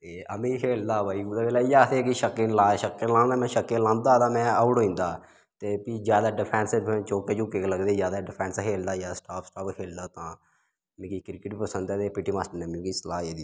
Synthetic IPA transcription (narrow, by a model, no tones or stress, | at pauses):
t̪eːəmĩːkʰeːld̪aːbaːiːɡud̪aːeːlaːijaːt̪eːkiʃəkːɪ̃nlaːʃəkːɪlãːnnãːmɛ̃ːʃəkːẽːlãːnd̪aːt̪ãːmɛ̃ːəʊɽoːĩːnd̪aː | t̪eːpiːd͡ʒjaːd̪aːɖɪpʰɛːnsmʰɛ̃ːt͡ʃoːkeːd͡ʒʊkeːkːləɡd̪eːzjaːd̪aːɖɪpʰɛ̃ːnskʰeːld̪aːjaːsʈaːpʰsʈaːpkʰeːld̪aːt̪ãː | mĩːkiːkɾɪkɪʈpəsənd̪ːt̪eːpɪʈːiːmaːsʈənemiũkiːslaːeːd̪iː